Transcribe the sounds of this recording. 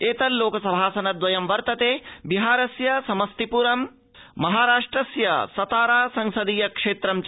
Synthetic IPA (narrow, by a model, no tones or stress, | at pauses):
eːt̪ɐlloːkɐsɐbʱaːsɐnɐd̪ʋɐjɐmʋɐɾt̪ɐt̪eːbiɦaːɾɐsjɐsɐmɐst̪ipuɾɐm | mɐɦaːɾaːʂʈɾɐsjɐsɐt̪aːɾaːsɐŋsɐd̪ijɐkʂeːt̪ɾɐmt͡ʃ